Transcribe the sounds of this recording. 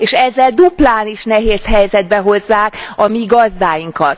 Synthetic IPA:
eːʃɛzːɛld̪uplaːniʃnɛɦeːshɛjzɛd̪̚bɛɦo̞zːaːkɒmiɡɒzd̪aːjiŋkɒt̪

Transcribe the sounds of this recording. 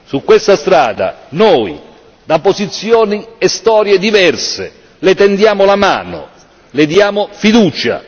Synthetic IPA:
sukːwest̪ast̪ɾaːd̪a̰nɔːj | d̪apozit̪sːjɔːniɛst̪ɔːɾjed̪ivɛrsḛ | lɪt̪ɛnd̪jaːmʊlama̰ːnʊ̰ | lɪd̪jaːmʊfid̪uːt͡ʃa̰

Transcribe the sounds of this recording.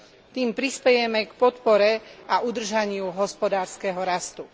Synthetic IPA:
t̪iːmpɾispɛjɛmɛkpɔt̪pɔɾɛaʔud̪r̩ʒaɲɪuɦɔspɔd̪aːɾskɛɦɔɾast̪u

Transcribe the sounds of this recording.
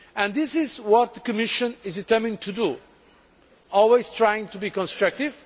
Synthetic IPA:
ɨ̃nðɪsɪzwɔt̪̚ðəkɨmɪʃɨ̃nɪzdɨtɜ˞mɪ̃ntʰudu | ɔlˠwez̥tʰɹajɪ̃ŋtʰubikɔ̃nstɹak̚tɪv̥

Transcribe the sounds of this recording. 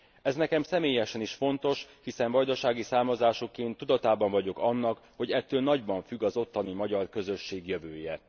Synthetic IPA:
ɛznɛkɛmsɛmeːjɛʃɛniʃfo̞nt̪o̞ʃhisɛɱvɒjd̪oʃaːɡisaːrmɒzaːʃokeːnt̪ːud̪ɒt̪aːbɒɱvɒɟo̞kɒnːɒkho̞ɟɛt̪ːøːlnɒɟbɒɱfyɡɒzo̞t̪ːɒnimɒɟɒrkø̞zøʃːeːɡjøvøːjɛ

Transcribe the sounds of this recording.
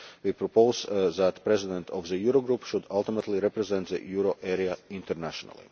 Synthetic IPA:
wipɾɔpoʊzðæt̪pɾɛzɪd̪ɛ̃nt̪ʰɔvðəjuɾoɡɾupʃʊd̪alˠt̪ɪmət̪liɾɛpɾɛzɛ̃nt̪ðə̰juɾoʔɛɾiaɪ̃nt̪əɾnæʃɔnə̰lˠḭ

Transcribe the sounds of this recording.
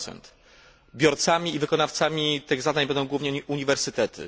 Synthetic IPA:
sɛ̰nt̪ | bʲjɔɾt̪samʲiːvɘkɔnaft̪samʲit̪ɘɣzad̪aɲbɛnd̪ɔ̃w̃ɡwuvɲɛuɲivɛɾsɘt̪ɛt̪ʰɘ̰

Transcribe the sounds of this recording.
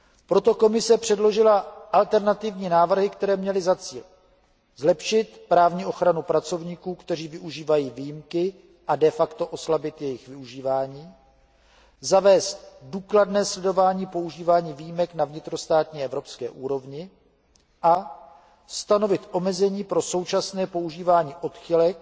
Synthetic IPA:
pɾo̞t̪o̞ko̞mɪsɛpr̥ɛdlo̞ʒɪlaʔalt̪ɛɾnat̪ɪvɲiːnaːvr̩ɦɪkt̪ɛɾɛːmɲɛlɪzat͡siːl | zlɛpʃɪt̪pɾaːvɲiːʔo̞xɾanupɾat͡so̞vɲiːkuːkt̪ɛr̝iːvɪʔuʒiːvajiːvijimkɪ | ʔadɛfakt̪o̞ʔo̞slabɪt̪jɛjɪxvɪuʒiːvaːɲiː | zavɛːst̪̚duːkladnɛːslɛdo̞vaːɲiːpo̞uʒiːvaːɲiːviːjimɛknavɲɪt̪ɾo̞st̪aːt̪ɲiːɛvɾo̞pskɛːʔuːɾo̞vɲɪ | ʔa | st̪ano̞vɪt̪ʔo̞mɛzɛɲiːpɾo̞so̞wt͡ʃasnɛːpo̞uʒiːvaːɲiːʔo̞t̪xɪlɛk̚

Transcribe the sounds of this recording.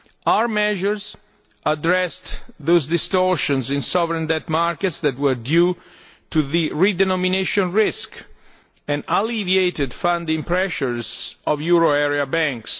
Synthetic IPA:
awəɹmɛʒəɹz | ʔadɹɛst̪ðozdɪst̪ɔɹʃɔ̃nzĩnsɔvəɹɛ̃ndɛtmaɹkɛt̪sðɛt̪wəɹdju | tuðiɹidɛnɔmineʃɔ̃nɹɪsk | ɛ̃naliviejt̪ɪdfãndɪ̃ŋpɹɛʃəɹzɔvjuɹoɛɹiabæ̃ŋks

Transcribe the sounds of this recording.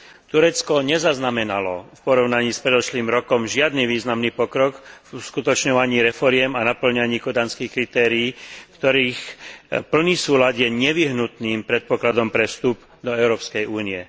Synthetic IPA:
t̪uɾɛt͡skɔɲɛzaznamɛnalɔ̰fpɔɾɔʊnaɲiːspɾɛd̪ɔʃliːmɾɔkɔmʒɪad̪niʋiːznamniːpɔkɾɔkfuskut̪ɔt͡ʃɲɔʋaɲiːɾɛfɔɾɪɛmanapl̩ɲaɲiːkɔd̪anskixkɾit̪ɛːɾiiːfkt̪ɔɾiːxpl̩niːsuːlad̪jɛɲɛʋiɦnut̪niːmpɾɛt̪̚pɔklad̪ɔmpɾɛfst̪up | d̪ɔɛʊɾɔːpskɛjʔuːniɛ

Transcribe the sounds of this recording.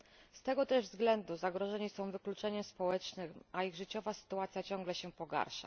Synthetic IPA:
st̪ɛɡɔt̪ɛʐvzɡlɛnd̪uzaɡɾɔʐɛɲisɔ̃w̃vɘklut͡ʂɛɲɛspɔwɛt͡ʂnɘʔaiɣʐɘt͡ɕɔvasɘ̥t̪uat̪sʲjat͡ɕɔ̃ŋɡlɛɕɛpɔɡa̰ɾʂa̰

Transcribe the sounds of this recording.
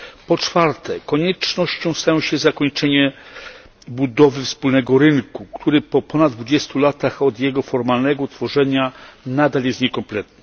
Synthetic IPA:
pɔt͡ʂfaɾt̪ʰɛkɔɲɛt͡ʂnɔɕt͡ɕɔ̃w̃st̪ajɔ̃w̃ɕɛzakɔɲt͡ʂɛɲɛ | bud̪ɔvɘfspulnɛɡɔɾɘnkukt̪ʰuɾɘpɔpɔnad̪d̪vud͡ʑɛst̪ulat̪axɔd̪jɛɡɔfɔɾmalnɛɡɔt̪fɔʐɛɲanad̪aljɛst̪ɲɛkɔmplɛt̪nɛ

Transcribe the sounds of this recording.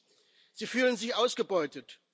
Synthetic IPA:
z̥iːfyːlənzɪçʔaʊsɡ̥əbɔʏtət

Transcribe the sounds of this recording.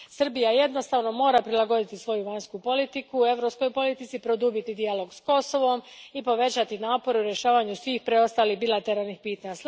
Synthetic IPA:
sr̩bijaje̞d̪no̞st̪aːʋno̞mo̞ːɾapɾilˠaɡo̞d̪it̪isʋo̞juʋaɲskupo̞lit̪ikue̞ʋɾo̞psko̞jpo̞lit̪it̪sipɾo̞d̪uːbit̪id̪ialo̞ɡsko̞so̞ʋo̞mipo̞ʋe̞t͡ɕat̪inaːpo̞ɾeuɾje̞ʃaːʋaɲusʋiːxpɾeo̞st̪aːlixbilˠat̪eɾalnixpiːt̪aɲas

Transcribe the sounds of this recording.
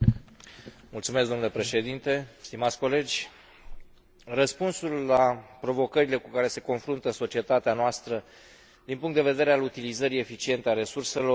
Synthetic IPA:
mult̪sumeskd̪o̞mnule̞pɾe̞ʃe̞d̪int̪e̞st̪imat̪sʲko̞le̞d͡ʒʲ | rəspunsulːapɾo̞vo̞kəɾile̞kukaɾe̞se̞ko̞nfɾunt̪əso̞t͡ʃie̞t̪at̪eanoast̪ɾə | d̪inpuŋkt̪d̪eve̞d̪e̞ɾealut̪ilizəɾie̞fit͡ʃie̞nt̪eaɾe̞surse̞lo̞

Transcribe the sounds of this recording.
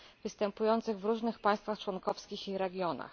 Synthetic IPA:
vɘst̪ɛmpujɔnt̪sɘɣvɾuʐnɘxpaj̃st̪faxt͡ʂwɔnkɔfskʲixiɾɛɡʲjɔna̰x

